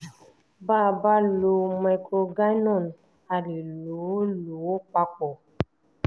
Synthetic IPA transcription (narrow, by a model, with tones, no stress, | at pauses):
ba˦˨ba˦lo˨ma˨kɾo˨ɡa˦nɔ˦˨n | a˨li˨lo˨˦lo˨˦k͡pa˦k͡pɔ˨